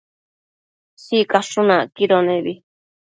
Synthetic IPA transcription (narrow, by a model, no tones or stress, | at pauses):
sikaʂunãkiɾonẽβi